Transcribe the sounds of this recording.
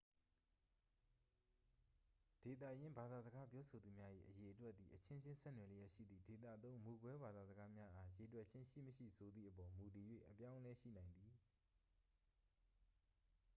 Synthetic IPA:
d̥e˨t̪̬ä̰˦˨jɪ̃˦mba˨d̪a˨zə˨ɡa˦pjɔ˦sʰo˨d̪u˨mja˦ʔḭ˦˨ʔəje˨ʔətwɛ˦ʔ̪t̪ði˨ʔət͡ɕʰɪ̃˦ɲd͡ʑɪ̃˦nsɛ̰˦˨nwɛ˨lɪ˦ja˦ʔʃḭ˦˨d̪ðḭ˦˨de˨t̪ä̰˦˨t̪õ˦ʊ̃mu˨kwɛ˦ba˨d̪a˨zəɡa˦mja˦ʔa˦je˨twɛ˦ʔt͡ɕʰɪ̃˦ʃḭ˦˨məʃḭ˦˨sʰo˨d̪ðḭ˦˨ʔəpɔ˨mu˨t̬i˨jwḛ˦˨ʔəpjã˦ʊ̃lɛ˦ʃḭ˦˨nã˨ɪ̃nd̪ði˨

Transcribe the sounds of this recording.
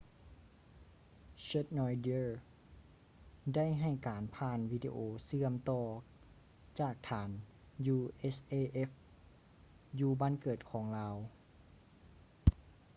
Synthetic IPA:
se˧˥t̪̚nɔː˧jdi˧˨˩ | da˥˩˨jɦa˧˩jkaː˨˩npʰaː˧˩nʋiː˧dḭ˧ʔoː˨˧sɯ˧˨əmt̪ɔː˧˩ | t͡ɕaː˧˨˩k̚t̪ʰaː˨˦n | juː˧ʔe˦˥sʔeː˧˨ʔe˦˥f | juː˧baː˧˥˨nkɤː˨˩t̪̚kʰɔː˩˦ŋlaː˧w

